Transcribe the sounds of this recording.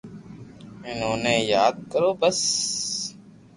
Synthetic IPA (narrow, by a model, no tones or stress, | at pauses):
ɪnɦoːneːjaːd̪̚kəɾoːbəs